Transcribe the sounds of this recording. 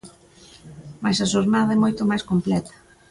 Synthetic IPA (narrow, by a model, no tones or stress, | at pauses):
majsɐʃoɾnaðɐɛmojt̪omajskomplɛt̪ɐ̥